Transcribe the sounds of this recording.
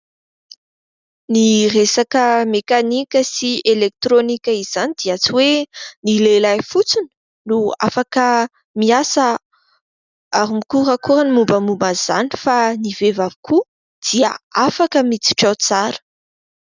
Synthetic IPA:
niresakəmekanikʲəsielek̚t̪ɾonikʲəiz̥anid̪̥iat͡siwenilelajfut͡suni | nua̰fakə | miasə | aɾimikuɾakuɾənimumbəmumbaz̥a̰nifanivevavi̥ku | d̪̥iəafakəmit͡si̥ʈ͡ʂat͡saɾə̥

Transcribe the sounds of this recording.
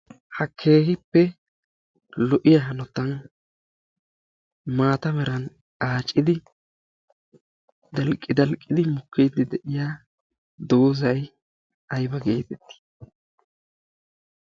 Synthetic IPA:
hɐkʰe̞ːhɪpːɛ | lɔʔɪjaɦɐnɔt̪ːɐn | maːt̪ɐmɛɾɐn | aːt͡ʃʼːɪd̪ɪ | d̪ɐlkʼːɪd̪ɐlkʼːɪd̪ɪmʊkːijd̪ɪd̪ɛʔɪjaː | d̪o̞ːzɐj | ɐjbɐɡe̞ːt̪ɛt̪ːɪ̥

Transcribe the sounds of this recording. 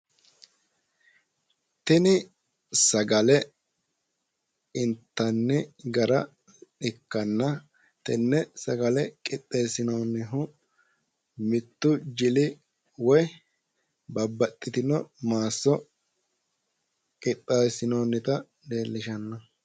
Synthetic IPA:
t̪ɛnɪ | sɐɡɐlɛ | ɪnt̪ːɐnːɛɡɐɾɐ | ᶑɪkːɐnːɐ | t̪ɛnːɛsɐɡɐlɛkʼɪt̪ʼːeːsɪnoːnːɪɦʊ | mɪt̪ːʊd͡ʒɪlɪ | wɔj | bɐbːɐt̪ʼːɪt̪ɪnɔmaːsːɔ | kʼɪt̪ʼːaːsɪnoːnːɪt̪ɐ | d̪eːlːɪʃɐnːɐ

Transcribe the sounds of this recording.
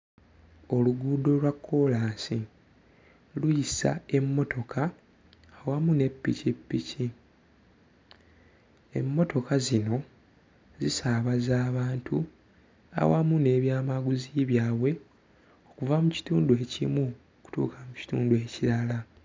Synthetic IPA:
o̞luɡuːdo̞lwakʰːo̞laːsi | lujisa̰e̞mːo̞tʰo̞kʰaː | wamune̞pːḭcipːici | e̞̰mːo̞to̞kazino̞ | zisaːβazaːβaːntu | a̰wamune̞ːβjaːmaɡuziβjaːβwe̞ | o̞kuvamuci̥tuːndue̞ːcḭmwuoku̥tṵːkʰamuci̥tṵːndue̞ciɾala

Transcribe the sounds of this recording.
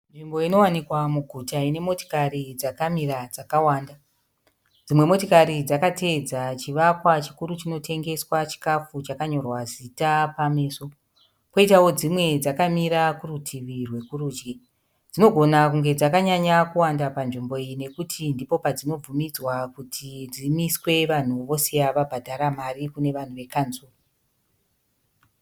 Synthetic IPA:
nʐimbo̞ino̞wanikwamuɡʱutaine̞mo̞to̥karid͡zakamirad͡zakawaːnda | d͡zimwe̞mo̞tokaɾid͡zakate̞d͡zat͡ʃiʋakwat͡ʃi̥kuɾut͡ʃino̞tʰe̞ŋɡe̞swat͡ʃi̥kafut͡ʃakaɲo̞rwazitapame̞ːso̞ | ko̞itawo̞d͡zimwe̞d͡zakamiɾakurutʰiʋirwe̞kuruːd͡ʒɡe | d͡zino̞ɡʱo̞nakuŋɡe̞d͡zakaɲaɲakuwandapanʐimbo̞ijine̞kutʰindipo̞pad͡zino̞b͡vumid͡zwakutʰid͡zimiswe̞ʋan̤uʋo̞se̞jaʋabʱadʱaɾamarikune̞ʋan̤uʋe̞kansuːri

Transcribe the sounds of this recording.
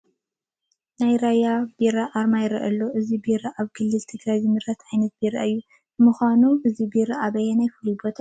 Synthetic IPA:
najɾajab̥eɾaʔaɾmajɪɾɐ̰ʔɐlːoʔɨzibeɾɐʔaβɡʰɨlːɨlt̪ʰɨɡɾajzɨmɨɾat̪ʕajnɐt̪̚beɾa̰ɨjːu | bɨmɨxʷanuʔɨzibeɾaʔaβɐjenajfɨlibot̪ʰa

